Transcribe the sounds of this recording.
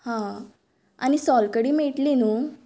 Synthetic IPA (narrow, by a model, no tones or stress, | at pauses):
hã | a̰nisɔlkəɽiːmeʈlinuː